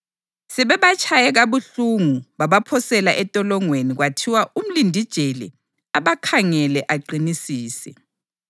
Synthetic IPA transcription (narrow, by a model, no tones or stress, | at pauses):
sɛβɛβat͡ʃʼʰajɛɣaβuɬuŋuβaβapʰɔsɛlaʔɛtʼɔlɔŋweniɣwatʰiwaʔum̩lindʱid̥ʒ̥ʱelḭ | aβakʰaŋɛlɛʔaǃinisiːsɛ̰